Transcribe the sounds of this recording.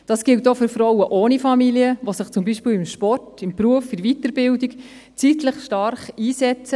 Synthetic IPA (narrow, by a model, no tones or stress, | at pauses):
d̥ɑːsɡ̥ɪltːofyɾfɾɔwəʔoːnifɑmiliəʋosəχt͡sʊmbiʃpiːlɪmʃpɔrtɪmpɾuəfɪʋitəɾbɪldik | t͡sitləχʃtɑɾχiːsɛt͡sə